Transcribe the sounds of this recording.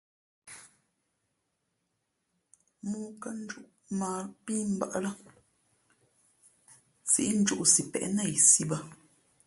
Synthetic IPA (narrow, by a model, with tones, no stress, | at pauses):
muː˦kə˦n̩˦d͡ʒu˦ʔ | maː˨piː˦m̩˦ba̰˦ʔla˦ | sḭ˨˦n̩˦d͡ʒu˦ʔsi˨pɛ̰˨ʔnə˦˨i˨si˦bə˦